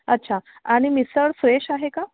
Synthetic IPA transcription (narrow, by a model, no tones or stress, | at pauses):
ətːɕʰa | aɽ̃imisəɽfɾeɕaɦeka